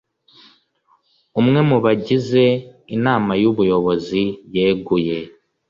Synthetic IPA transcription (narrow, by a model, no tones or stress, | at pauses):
umŋe̞muβaɟize̞inaːmajuβujo̞βo̞zijeːɡuje̞